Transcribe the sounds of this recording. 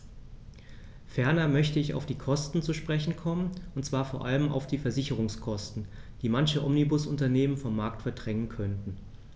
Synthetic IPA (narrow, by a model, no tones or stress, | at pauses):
fɛɐnɐmœçtəɪça̰ʊfd̥iːkʰɔstn̩t͡suʃpʁ̥ɛçn̩kʰɔmənʊntt͡sv̥aːɐfoːɐʔaləma̰ʊfd̥iːfɛɐzɪçəʁ̞ʊŋskʰɔstn̩ | d̥iːmançəʔɔmnibʊsʊntɐneːmənfɔmːaɐk̚tfɛɐdʁɛŋənkʰœntn̩